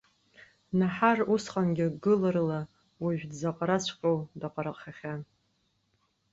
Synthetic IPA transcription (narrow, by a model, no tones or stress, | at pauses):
naħarusχʼanɡʲɪɡɨlɨrla | wiʒᶣdzaqʼaɾat͡ɕʷʰqʲʼowdaqʼaɾaχʲaχʲan